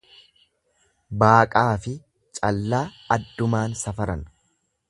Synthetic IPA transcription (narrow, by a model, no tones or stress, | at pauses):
baːkʼaːfɪ | t͡ʃʼɐlːaː | ɐd̪ːʊmaːnsɐfɐɾɐn